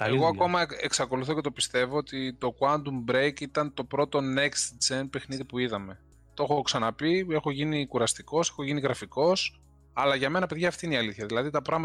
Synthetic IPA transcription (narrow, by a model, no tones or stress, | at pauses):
eɣoɐko̞mɐe̞ksɐko̞luθo̞cet̪o̞pist̪e̞voot̪it̪o̞kwɐnd̪umbɾejkit̪ɐnt̪o̞pɾo̞t̪o̞ne̞kst̪d͡zen̚pe̞xniðipuiðɐme̞ | t̪oxo̞ksɐnɐpie̞xo̞ʝinikuɾɐst̪iko̞se̞xo̞ʝiniɣɾɐfiko̞s | ɐlɐʝɐme̞nɐpe̞ðʝɐːft̪iineiɐliθçɐðilɐðit̪ɐpɾɐɣmɐ